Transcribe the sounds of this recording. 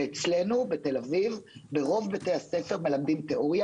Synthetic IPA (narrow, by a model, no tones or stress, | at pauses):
et͡sle̞nubet̪e̞lavivbe̞ʁo̞vbate̞jasefe̞ʁme̞lamd̪imt̪e̞ʔoʁja